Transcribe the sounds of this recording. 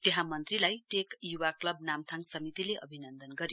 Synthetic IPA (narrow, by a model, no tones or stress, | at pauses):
t̪eɦãmʌnt̪rilajʈekjuwaklʌbnamt̪ʰaŋsʌmit̪ileʔʌbʱinʌnd̪ʌnɡʌɾj